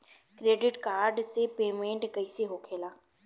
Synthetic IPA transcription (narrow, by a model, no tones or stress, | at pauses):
kɾeːɖɪʈkaːɾɖsepeːmẽːɳʈkɐɪseɦoːkʰeːlaː